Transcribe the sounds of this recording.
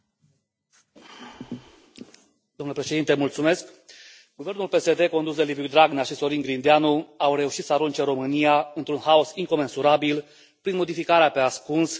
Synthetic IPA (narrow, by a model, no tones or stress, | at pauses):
d̪̥omnləpɾe̞ʃe̞d̪int̪emult̪sume̞sk | ɡ̥uve̞rnulpe̞se̞d̪e̞ko̞nd̪us̬d̪e̞livud̪ɾaɡnaʃiso̞ɾiŋɡɾind̪eanuawre̞uʃit̪səaɾunt͡ʃeɾo̞mɨnijaɨnt̪ɾunɦaosiŋko̞me̞nsuɾabil | pɾinmo̞d̪ifikaɾeape̞askuns